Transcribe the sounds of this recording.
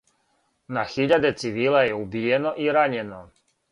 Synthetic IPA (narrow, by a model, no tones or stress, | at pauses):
naxiʎad̪e̞t̪siʋiːlˠajeubijenoʔiɾaɲeno